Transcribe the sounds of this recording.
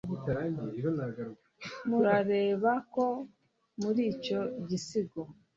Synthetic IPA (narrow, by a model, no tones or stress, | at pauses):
ɡitaɾaɲiiɾonaɡaɾukamuɾaɾe̞ːβako̞ | muɾiːco̞ɟisiɡo